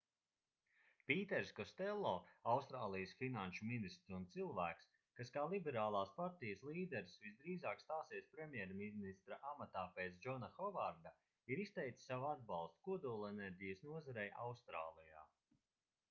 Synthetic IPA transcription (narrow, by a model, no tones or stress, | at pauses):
piːt̪ɛɾskɔst̪ɛlˠːɔːawst̪ɾaːlˠijəsfinanʃuminist̪ɾsunt̪silˠvæːks | kaskaːlˠibɛɾaːlˠaːspaɾt̪ijəslˠiːd̪ɛɾsvisd̪ɾiːzaːkst̪aːsiɛspɾemjɛɾminist̪ɾaʔamat̪aːpeːt̪sd͡ʒɔnaxɔvaɾd̪a | iɾist̪ɛjkt̪i̥savad̪bɑlˠst̪̚kuɔd̪uːlˠɛnɛɾʲɟijəsnuɔzaɾɛjʔawst̪ɾaːlˠija̰ː